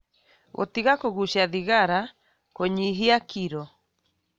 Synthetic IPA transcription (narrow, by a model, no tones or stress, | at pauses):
o̰t̪iɣakoɣuʃiaðiɣaɾa | koɲiɦiakiɾɔ